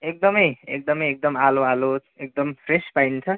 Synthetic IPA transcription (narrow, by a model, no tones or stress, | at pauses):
ek̚d̪ʌmʌjek̚d̪ʌmʌjek̚d̪ʌmaloalot͡sek̚d̪ʌmpʰrespajnt͡sʰʌ